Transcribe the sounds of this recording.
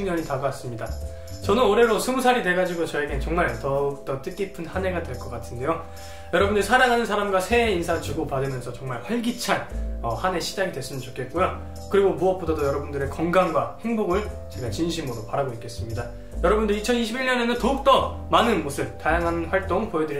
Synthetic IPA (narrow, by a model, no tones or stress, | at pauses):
ɲʌɲitaɡas͈ɯmɲida | t͡ɕʌnɯnoɾe̞ɾosʰumusʰaɾidwe̞ɡad͡ʑiɡot͡ɕʌeɡet͡ɕʌŋmaɭtʌuk̚t͈ʌt͈ɯk͈ipʰɯnhane̞ɡadwe̞ɭk͈ʌk͈atʰɯnde̞jo | jʌɾʌbundɯɾisʰaɾaŋɦanɯnsʰaɾamɡwasʰe̞insʰaŋt͡ɕuɡopadɯmjʌnsʰʌt͡ɕʌŋmaɭɸwʌɭɡit͡ɕʰanʌhane̞ɕʰid͡ʑaɡidwe̞s͈ɯmɯnt͡ɕokʰe̞t̚k͈ojo | kɯɾiɡomuʌp͈odadojʌɾʌbundɯɾe̞kʌŋɡamɡwahe̞ŋboɡɯɭ | t͡ɕe̞ɡat͡ɕinɕʰimɯɾopaɾaɡoik͈ʰe̞s͈ɯmɲida | jʌɾʌbundɯɾit͡ɕʰʌniɕʰibiɭɲʌnenɯntʌuk̚t͈ʌ | manɯnmosʰɯb̚tajaŋɦanɸwaɭt͈oŋpojedɯɾi